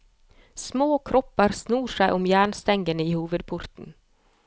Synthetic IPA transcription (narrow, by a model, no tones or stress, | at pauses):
smoːkʰɾɔpːəɾsnuːʂæɪʔɔmjæːɳst̪ɛŋɡənəiːhuːʋəd̪̚pʰʊɾt̪n̩